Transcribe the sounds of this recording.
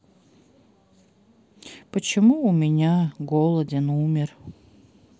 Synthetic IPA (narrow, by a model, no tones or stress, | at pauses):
pət͡ɕɪmuʊmʲɪnʲaɡolˠədʲɪnumʲɪr